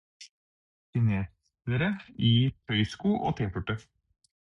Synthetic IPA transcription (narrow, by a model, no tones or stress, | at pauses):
sɪneː | əɾəiːt̪ʰœʏskuːʔo̰ːt̪ʰeːpʰʉʈːə